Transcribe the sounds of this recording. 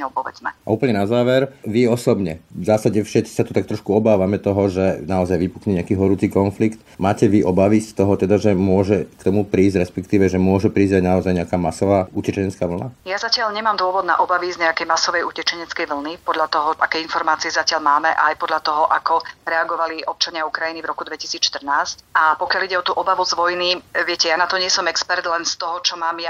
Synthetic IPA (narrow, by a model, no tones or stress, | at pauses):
ɔʊpɔʋɛ̰d͡zmɛ̰a̰uːpəɲɛnazaːʋɛɾʋiɔsɔbɲɛzaːsaɟɛfʃɛt͡si̥sat̪ɔt̪ak̚t̪ɾɔʃkuɔbaːʋamɛt̪ɔɦɔʒɛnaɔzajʋipukɲɛɲɛakiːɦɔɾuːt͡siːkɔnflikt̪ | maːcɛʋiʔɔbaʋist̪ɔɦɔt̪ɛd̪aʒɛmʊɔʒɛkt̪ɔmupɾiːzɟɾɛspɛkt̪iːʋɛʒɛmʊɔʒɛpɾiːzɟaɟnaɔzajɲɛakaːmasɔʋaːucɛt͡ʃɛɲɛt͡skaːʋl̩najazacɪaʎɲɛmaːmd̪ʊɔʋɔd̪na̰ʔɔbaʋizɲɛakɛjmasɔʋɛjucɛt͡ʃɛɲɛt͡skɛjʋl̩nipɔd̪ʎat̪ɔɦɔʔakɛjinfɔɾmaːt͡siɛzacɪalmaːmɛʔajpɔd̪ʎat̪ɔɦɔʔakɔɾɛaɡɔʋaliʔɔp̚t͡ʃaɲɪaukɾajinivɾɔkud̪ʋɛci̥siːt͡sʃt̪ər̩naːscapɔkɪaliɟɛɔt̪uːʔɔbaʋuzʋɔjniʋɪɛcɛjanat̪ɔɲɪɛsɔmɛkspɛɾt̪lɛnst̪ɔɦɔt͡ʃɔmaːmja